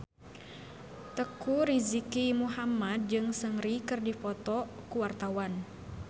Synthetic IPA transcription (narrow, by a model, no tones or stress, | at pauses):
t̪əkuɾizikimuɦamad̪̚d͡ʒɨŋsəŋrikɨrdifɔt̪ɔkuwart̪awan